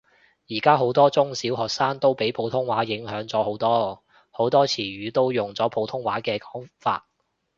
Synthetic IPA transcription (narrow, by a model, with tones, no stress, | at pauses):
jiː˨˩kaː˥ɦo˨˥wt̪ɔː˥t͡sʊ˥ŋsiː˨˥wɦɔː˨k̚saː˥nt̪o˥wpe˨˥jpʰo˨˥wt̪ʰʊ˥ŋwaː˨˥jɪ˨˥ŋɦœː˨˥ŋt͡sɔː˨˥ho˨˥wt̪ɔː˥ | ho˨˥wt̪ɔː˥t͡sʰiː˨˩ɥyː˨˥t̪o˥wjʊ˨ŋt͡sɔː˨˥pʰo˨˥wt̪ʰʊ˥ŋwaː˨˥kɛː˧kɔː˨˥ŋfa̰ː˧t̚